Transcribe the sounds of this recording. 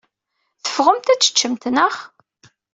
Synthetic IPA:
θə̥fʁəmt̪æt͡sːə̥t͡ʃːəmt̪nəχ

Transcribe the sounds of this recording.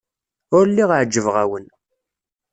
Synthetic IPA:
ʊɾlːiʁʕd͡ʒːəvʁæwən

